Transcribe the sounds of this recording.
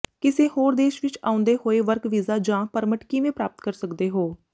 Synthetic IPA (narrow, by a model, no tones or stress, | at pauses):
kɪseːhoːɾd̪eːʃʋɪt͡ʃa̰ːʊ̃nd̪eːhoːeːʋəɾkʋiːzaːd͡ʒãːpəɾməʈkɪʋẽːpɾaːp̚t̪̚kəɾsəkd̪eːɦoː